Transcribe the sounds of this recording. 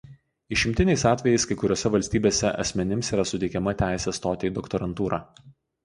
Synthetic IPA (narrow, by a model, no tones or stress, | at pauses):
ɪʃʲɪmʲt̪ʲɪnʲɛɪsɑːt̪ʲʋʲɛjɛɪskɐɪkʊɾʲoːsʲɛʋɐlʲsʲt̪ʲiːbʲeːsʲɛʔɐ̰sʲmʲɛnʲɪmsiːɾɐsʊt̪ʲɛɪkʲɛmɐt̪ʲæˑɪsʲɛst̪oːt̪ʲeid̪ɔkt̪ɔɾɐnt̪uːɾɑː